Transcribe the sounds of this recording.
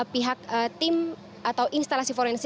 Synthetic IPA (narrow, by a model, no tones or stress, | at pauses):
piɦak̚ət̪im | at̪awʔinst̪alasifɔɾɛns